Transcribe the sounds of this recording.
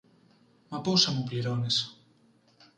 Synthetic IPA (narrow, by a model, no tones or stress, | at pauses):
mapowsamupleɾones